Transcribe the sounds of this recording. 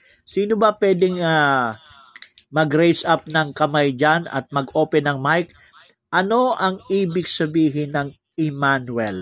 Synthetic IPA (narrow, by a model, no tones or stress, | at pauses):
siːnobɐpwɛːd̪ɛŋa | mɐɡɾɛjsʔap̚nɐŋkɐmajd͡ʒanɐ̰t̪̚mɐɡʔoːpɛnɐŋmajk̚ | ʔɐno̞ʔɐŋʔiːbɪɡsɐbiːɦɪnɐŋ | ʔɪmanwɛl